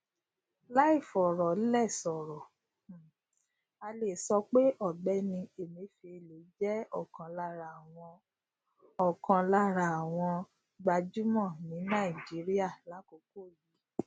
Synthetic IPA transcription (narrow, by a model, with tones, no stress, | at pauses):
la˦i˦˨fɔ˨ɾɔ˨˦lɛ˦˨sɔ˨ɾɔ˨ | a˧le˨sɔ˧k͡pe˦ʔɔ˦˨bɛ˦nĩ˧e˨mĩ˨˧˦fi˧e˨lo˨˦d͡ʒɛ˦ɔ˦˨kã˧la˧ɾa˨w̃ɔ̃˧ | ɔ˨kã˧la˧ɾa˨a˨w̃ɔ̃˧ | ɡ͡ba˧d͡ʒu˦mɔ̃˦˨nĩ˨˦nã˦˨i˨d͡ʒi˨˦ɾi˦a˦˨la˨˦ko˨˧˦ko˦˨ji˨˦